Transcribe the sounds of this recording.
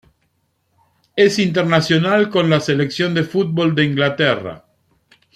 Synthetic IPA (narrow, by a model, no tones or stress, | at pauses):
esint̪eɾnasjo̞nalko̞nlaseleksjo̞nd̪e̞fut̪̚bo̞ld̪eiŋɡlat̪era̰